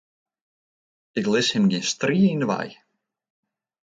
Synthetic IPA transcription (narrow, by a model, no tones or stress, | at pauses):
ɪklɪshɪnɡɛnst̪ɾiːinəva̰j